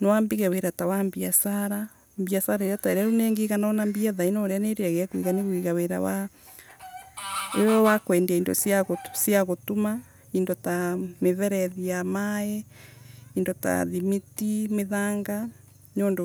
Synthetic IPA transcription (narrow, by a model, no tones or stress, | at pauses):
nɔwambiɣeweɾatawambiasaɾa | mbiasaɾaeɾataeɾaɾuneːŋɡeɣananambiaðainoɾeaneɾeaɣeakwḭɣaneɣwiɣaweɾa̰wa | ejɔwakwɛːndeaiːndo̰sjaɣosjaɣotuma | indotameβɛɾɛðiamae | indota̰ðimitimeðaːŋɡa | ɲoːndo